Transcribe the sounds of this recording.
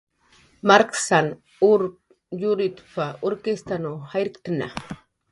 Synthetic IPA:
maɾksan | uɾ | juɾit̪paoɾkest̪anohajɾɪkt̪ana̰

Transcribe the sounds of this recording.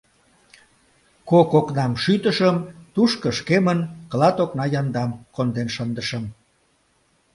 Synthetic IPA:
kokoknɑmʃyt̪əʃəmt̪uʃkəʃkemənkəlɑt̪oknɑjɑnd̪ɑmkond̪enʃənd̪əʃəm

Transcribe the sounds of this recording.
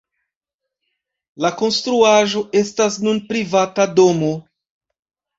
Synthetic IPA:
lako̞nstɾuaʒoʔe̞stasnunpɾivatadomo

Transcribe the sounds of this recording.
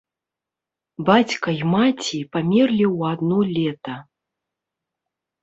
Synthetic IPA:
bat͡sʲkɐjmat͡sʲipamʲɛrlʲiwad̪nɔlʲɛt̪ɐ

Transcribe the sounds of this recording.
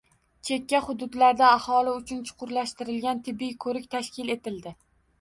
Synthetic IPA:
t͡ʃʰe̞kʲːaχʊd̪ʊd̪laɾd̪aːhɒlɪʊt͡ʃʰʊnt͡ʃʰʊ̥qʰʊɾlaʃt̪ɪɾɪlɡʲant̪ʰɪbːɪjkʰɵɾɪkʲt̪ʰaʃkʲɪle̞t̪ɪld̪ɪ

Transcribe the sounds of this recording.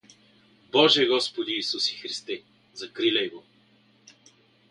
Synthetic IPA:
bɔʒɛɡɔspod̪iːsusi̥xɾist̪ɛ | zɐkɾilʲɛjɡo

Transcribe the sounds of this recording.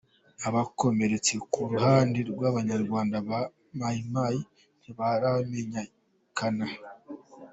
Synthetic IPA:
aβako̞me̞ɾe̞t͡se̞kuɾuhaːndiɾɡwaːβaɲaɾɡwaːndaβa | majimaji | niβaɾame̞ɲa | kʰana

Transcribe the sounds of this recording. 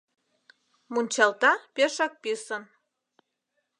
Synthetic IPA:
munʲt͡ɕɑlt̪ɑpeʃɑk̚pisən

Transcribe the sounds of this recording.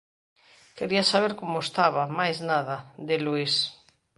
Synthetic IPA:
keɾiasaβ̞eɾkomoest̪aβ̞amajznaðaðeluis

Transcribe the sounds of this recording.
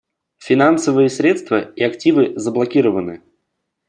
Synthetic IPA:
fʲɪnansəvɨjəsʲɾʲet̪st̪vəiɐktʲivɨzəblˠɐkʲiɾəvənɨ

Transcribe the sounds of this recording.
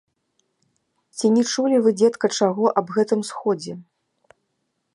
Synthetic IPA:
t͡sʲinʲɛt͡ʂulʲivɨd͡zʲɛt̪kɐt͡ʂaɣɔʔɐbɣɛt̪ɨmsxɔd͡zʲɛ

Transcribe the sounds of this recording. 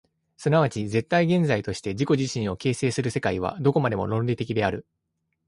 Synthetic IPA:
sɨnaβat͡ɕize̞t̪ːaiɡẽ̞nd͡zait̪o̞ɕi̥t̪e̞ʑiko̞ʑiɕĩɰ̃o̞ke̞ːse̞ːsɨɾɯ̟se̞kaiβ̞a̰d̪o̞ko̞mad̪e̞mo̞̰ɾõ̞nɾʲit̪e̞kʲid̪e̞aɾɯ̟

